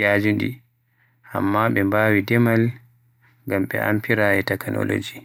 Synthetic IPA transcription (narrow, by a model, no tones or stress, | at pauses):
ad͡ʒundḭ | ʔa̰mːaɓɛmbaːwidɛmal | ŋɡamɓɛ̰ʔa̰mpiɾaɛtɛknɔ̰lo̰d͡ʒi